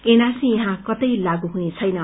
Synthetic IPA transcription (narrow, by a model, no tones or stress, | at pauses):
enasĩjʌɦãkʌt̪ʌjlaɡuɦunet͡sʰʌjnʌ